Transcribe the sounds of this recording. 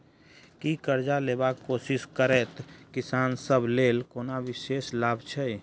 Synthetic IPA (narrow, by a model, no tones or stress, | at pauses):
kikəɾd͡ʒaleːbaːkːoːsɪʃkəɾɛːt̪kɪsaːnsəbʱleːlkoːnaʋɪʃeːslaːbʱt͡ʃʰɛi